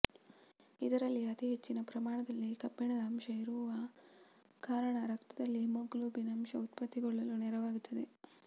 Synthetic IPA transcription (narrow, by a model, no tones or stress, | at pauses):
id̪ɐɾɐlːiɐt̪iɦet͡ʃːinɐpɾɐmaːɳɐd̪ɐlːikɐbːɛɳɐd̪ɐːmʃɐiɾuʋɐ | kaːɾɐɳɐɾɐkt̪ɐd̪ɐlːimoɡluːbinɐmʃɐut̪pɐt̪ːiɡɐɭːɐlunɛɾɐʋaːɡut̪ʰːɐd̪e